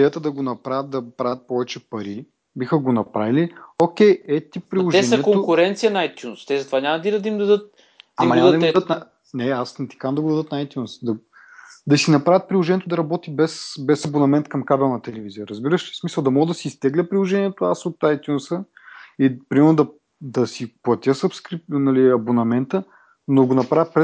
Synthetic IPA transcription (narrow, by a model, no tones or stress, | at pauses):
d̪ɛjət̪əd̪ɐɡonɐpɾavʲət̪̚d̪ɐpɾavət̪̚pɔvɛt͡ʃɛpɐɾi | bixəɡonɐpɾaviliokʲɛjɛt̪ipːɾilˠoɛɛnɐɛkoŋokʊɾɛnt̪sijɐnɐajt̪ʲjunst̪ɛzɐt̪ovanʲamɐd̪d̪d̪ɐimd̪ɐd̪ɤt̪̚ | amɐnad̪d̪id̪ɐd̪t̪nɐ | nɛasnɛt̪i̥kaɐmd̪ɐɡod̪ɐd̪ət̪nɐajt̪ʲjunsd̪ɐ | d̪ɐsinɐpɾavʲət̪̚pɾilˠoʒɛniɛt̪od̪ɐɾɐbɔt̪ibɛsbɛsɐbonɐmɛnt̪kɐmkabɛlˠnɐt̪ɛlɛvizijəɾəzbiɾəʃɛ̥smisəlˠd̪ɐmɔɡəd̪ɐsiːst̪ɛɡlʲəpɾilˠoʒɛniɛt̪oasot̪ajt̪ʲjunsəipɾimɛɾnod̪ɐ | d̪ɐsiplˠɐt̪ʲəsɐpskɾinɐliɐbonɐmɛnt̪ə | noɡonɐpɾavʲət̪pɾɛ